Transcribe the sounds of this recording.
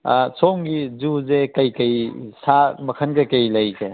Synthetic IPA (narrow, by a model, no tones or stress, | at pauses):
sɔŋɡizuzekɐjkɐjsamɐkʰɐnɡekɐjlɐjke